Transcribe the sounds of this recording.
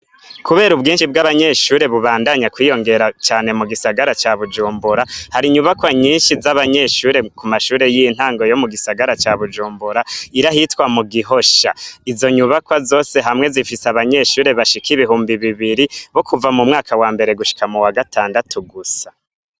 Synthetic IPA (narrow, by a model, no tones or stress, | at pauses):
kuβe̞ːɾubɡiːnʃib̚ɡaβaɲe̞ʃuːɾe̞βuβaːndaɲakwiːjo̞ŋɡe̞ɾat͡ʃaːne̞muɡisaɡaɾat͡ʃaβud͡ʒuːmbuɾahaɾiɲuβakwaɲiːnʃizaβaɲe̞ʃuːɾe̞kumaʃuːɾe̞jin̥haːŋɡo̞jo̞muɡisaɡaɾat͡ʃaβud͡ʒuːmbuɾaiɾahitwamuɡiɦo̞ʃa̰izo̞ɲuβakwazo̞ːse̞ɦamŋe̞zifiseaβaɲe̞ʃuːɾe̞βaʃikiβiɦuːmbiβiβiɾiβo̞kʰuvamumŋaːkʰawaːmbe̞ɾe̞ɡuʃi̥kamuwaɡataːndatʰuɡusḁ